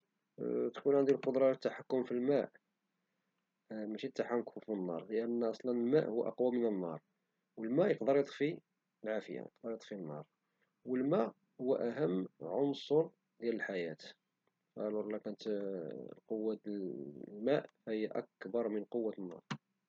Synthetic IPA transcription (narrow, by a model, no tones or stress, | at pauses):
t̪kunʕand̪ilqod̪ɾˤɑt̪ːaħakːʊmfilmæʔ | mæʃit̪ːaħakufinːɑ̰ɾˤləʔənːʔɑsˤlɑnəlmæ̰ʔhʊw̰ːʔɑ̰qwamənənːɑ̰ɾˤ | wəlmæʔjəqd̪əɾˤjət̪ˤfi | əlʕafəja̰jə̰qd̪əɾˤjət̪ˤfinːɑɾˤ | wəlmæʔ | hʊwːæʔæɦəmːʕonsoɾ | d̪jæləlħajæt̪ | fæʕluɾlːækænət̪ | qowːa | lmæʔfæhəjːæʔæ̰k̚bɑɾˤmənqowːat̪ənːɑ̰ɾˤ